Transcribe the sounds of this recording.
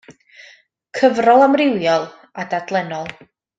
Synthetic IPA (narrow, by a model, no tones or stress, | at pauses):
kʰəvrɔlˠamrɪwjɔlˠ | adadlˠɛnɔlˠ